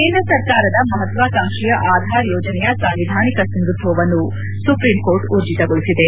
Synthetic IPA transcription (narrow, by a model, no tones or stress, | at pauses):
kenɐsɐɾkaːɾɐd̪ɐmɐɦɐt̪ʋaːkaːŋʂijɐʔaːd̪ʱaːɾjɔːd͡ʒɐnɛjɐsɐmʋid̪ʱaːnikɐsɐnɡ̪ɾut̪ʰʋɐʋɐnːu | supɾimkoːɾʈuɾd͡ʒit̪ɐɡoɭisid̪e